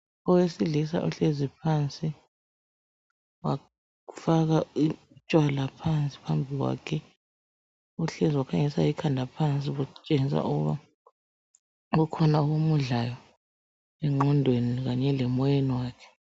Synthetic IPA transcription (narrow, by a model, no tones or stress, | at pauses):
ɔwesiɮisa̰ʔuɬezipʰant͡sʼi | wa | ufaɣai | t͡ʃʼwalapʰant͡sʼi̥pʰambʱiɣwa̰ːkʰɛ | uɬeziwakʰaŋɛsa̰ikʰandʱapʰant͡sʼiɣut͡ʃʼeŋisa̰ʔuɣṵβa̰ | ɣukʰɔnauɣomuɮajɔ | ɛŋ͡ǃɔndʱweniɣaɲɛlɛmɔjeniwaːkʰɛ̥